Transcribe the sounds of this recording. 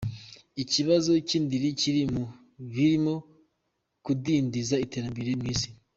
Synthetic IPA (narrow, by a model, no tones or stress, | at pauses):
iciβazo̞ciːndiɾiciɾimu | βiɾimo̞ | kudiːndizaiteɾambeɾemŋiːsi̥